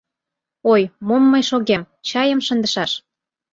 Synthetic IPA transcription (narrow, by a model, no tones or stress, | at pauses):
ojmomːɤjʃoɣem | t͡ɕɑjəmʃənd̪əʃɑʃ